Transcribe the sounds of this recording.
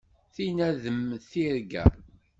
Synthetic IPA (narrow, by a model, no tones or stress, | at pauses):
θinæðəmːθiɾɡæ̰